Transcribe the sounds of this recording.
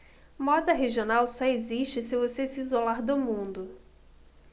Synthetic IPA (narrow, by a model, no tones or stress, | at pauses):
mɔd̪ɐɦeʒionawsɔeziʃt͡ʃɪsɪvosesɪːzolaɾd̪ʊmũnd̪ʊ